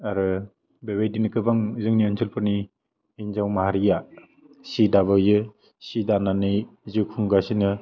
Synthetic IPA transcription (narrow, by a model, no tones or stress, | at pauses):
aɾɯ | bebejdinɯkʰɯbaŋzɯŋniɔnsʰɯlpʰɯni | inzawmahaɾija | sidaβɯjɯ | sidananɯjzɯkʰuŋɡasinɯ